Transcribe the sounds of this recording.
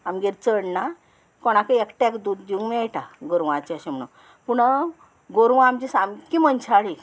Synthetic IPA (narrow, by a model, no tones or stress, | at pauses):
amɡeɾt͡səɽna | kɔɽ̃akəekʈɛkd̪ud̪iŋɡmeʈaɡoɾʋat͡ɕiaɕem̤əɽṵn | puɽ | ɡoɾʋamd͡ʑisamkimənt͡ɕʰaɭi